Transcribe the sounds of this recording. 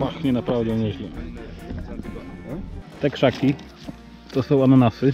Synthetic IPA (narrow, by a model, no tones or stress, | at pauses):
axɲɛnapɾavd̪ɛɲɛɕlʲɛ | t̪ɛkʂakʲi | t̪ɔsɔ̃wanɔnasɨ